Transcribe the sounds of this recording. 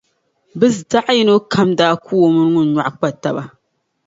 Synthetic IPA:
bɨ˦zda˦ʔji˦no˦kʰa˦mdaː˦ku˦o˦mɨ˦n˦ŋʊ˦n˨ɲa˨ʔk͡pa˦ta˨ba˨

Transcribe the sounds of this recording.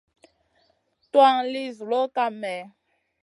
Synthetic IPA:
twa˦ŋli˦zu˨lo˦ka˦mɛ˨

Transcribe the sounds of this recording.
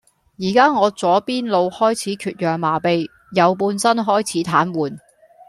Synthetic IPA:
jiː˨˩kaː˥ŋɔː˨˧t͡sɔː˨˥piː˥nlo˨˧whɔː˥jt͡sʰiː˨˥kʰyː˧t̚jœː˨ŋmaː˨˩pe˨˧j | jɐ˨˧wp̬uː˧nsɐ˥nɦɔː˥jt͡sʰiː˨˥t̪ʰaː˨˥nwuː˨n

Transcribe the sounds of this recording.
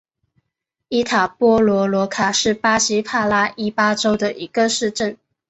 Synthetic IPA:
i˥t̪ʰa˨˩pwɔ˥lwɔ˧˥lwɔ˧˥kʰa˨˩ʂɻ̩˥˩pa˥ɕi˥pʰa˥˩la˥ʔi˥pa˥ʈ͡ʂo˥ʊd̪ə˨ʔi˧˥ɡ̥ə˧ʂɻ̩˥˧ʈ͡ʂə˥˩n

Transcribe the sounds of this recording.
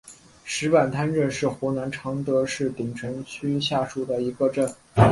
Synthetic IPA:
ʂɻ̩˧˥pa˨˩nt̪ʰa˥nʈ͡ʂə˥˧nʂɻ̩˥˩xwɔ˧˥na˧˥nʈ͡ʂʰɑ˧˥ŋt̪ɤ˧˥ʂɻ̩˥˩t̪i˨˩ŋʈ͡ʂʰə˧˥ŋt͡ɕʰy˥ɕja˥˧ʂu˥˩d̪ə˩i˧˥ɡə˧ʈ͡ʂə˥˩n

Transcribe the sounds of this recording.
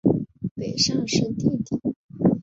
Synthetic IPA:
pe˨˩ɪʂɑ˥ŋʂə˥nt̪jɛ˥˩nt̪i˨˩˦

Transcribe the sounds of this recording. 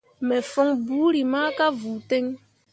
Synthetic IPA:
mɛ˨fɔ˦ŋbuː˨˦ɾi˨maː˦ka˦vu˨te˦ŋ

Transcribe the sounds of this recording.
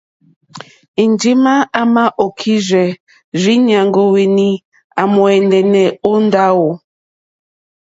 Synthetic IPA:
i˨nd͡ʒi˦ma˦a˦ma˦ʔo˨kʰi˦ʒɛ˨ | zi˦ɲa˨ŋɡo˦we˨ni˦ | a˨mɔ˨ɛ˨ndɛ˨nɛ˨o˦n˦da˦wo˨

